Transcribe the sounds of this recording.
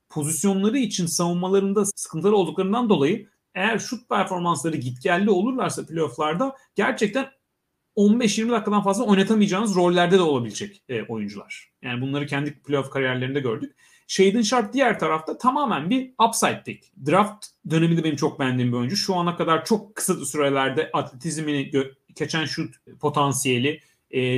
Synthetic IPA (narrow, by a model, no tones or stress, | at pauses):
pʰo̞zisjo̞nlˠaɾɯit͡ʃʰinsavunmalˠaɾɯnd̪asɯ̥kʰɯnt̪ʰɯlˠɯlˠd̪uklˠaɾɯnd̪and̪o̞lˠajɯ | ejæɾʃut̪̚pʰæɾfo̞ɾmanslˠaɾɯɟit̪cælʲːio̞lˠuɾlˠaɾsapʰlʲeoflˠaɾd̪aɟ̥æɾt͡ʃʰɛc̚t̪ʰæn | o̞nbɛʃjiɾmid̪akːad̪anfazlˠao̞jnat̪ʰamijd͡ʒaːnɯzɾo̞lʲːæɾd̪ɛd̪ɛo̞lˠabilʲid͡ʒɛcːʔo̞̰jund͡ʒulˠaɾ̥jaːnibunlˠaɾɯcʰɛnd̪ipʰlʲeofkʰaɾijæɾlʲeɾind̪ɛɟø̞ɾd̪yc̚ | ʃejd̪ɯnʃaɾp̚d̪ijæɾt̪ʰaɾaft̪ʰat̪ʰamaːmænbiapsajt̪ːicd̪ɾaft̪d̪ø̞ne̞mid̪ɛbe̞nimt͡ʃʰo̞k̚bænd̪iːmbio̞jynd͡ʒuʃuanakʰad̪aɾt͡ʃʰo̞kʰːɯ̥sat̪syɾelʲæɾd̪ɛʔat̪ʰlʲet̪ʰizminiɟø | cʰe̞t͡ʃʰænʃut̪pʰo̞t̪ʰansije̞lʲɪː